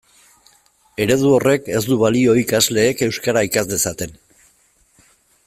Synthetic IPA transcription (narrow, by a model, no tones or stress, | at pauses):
e̞ɾe̞ðuo̞re̞ke̞zd̪uβalio̞ikazle̞ːke̞wskaɾaikazd̪e̞sat̪e̞n